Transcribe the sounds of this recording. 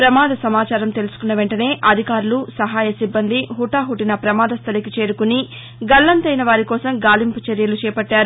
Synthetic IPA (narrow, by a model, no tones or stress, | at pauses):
pɾɐmaːd̪ʱɐsɐmaːt͡ʃaːɾɐmt̪e̞lusu̥kunːɐʋe̞ɳʈɐne̞ːʔɐd̪ʱikaːɾulusɐɦaːjɐsibːɐnd̪ʱiɦuʈaːɦuʈinɐpɾɐmaːd̪ʱɐst̪ʰɐlikit͡ʃe̞ːɾukuni | ɡɐɭːɐnt̪ɐjnɐʋaːɾikɔːsɐmɡaːlimput͡ʃɐɾjɐlut͡ʃɛːpɐʈːaːɾu